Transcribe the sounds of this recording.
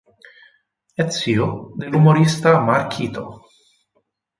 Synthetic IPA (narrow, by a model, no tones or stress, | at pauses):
et̪siod̪elumoɾist̪amaɾkʰit̪o̰